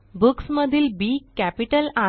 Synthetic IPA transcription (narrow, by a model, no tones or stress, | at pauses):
buksməd̪ʱiːlbikːæpiʈəla